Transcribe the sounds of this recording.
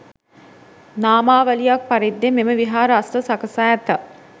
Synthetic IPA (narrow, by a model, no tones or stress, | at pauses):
naːmaːʋəlijak̚paɾid̪ːememəʋiɦaːɾəasʈəsakəsaːɛt̪ə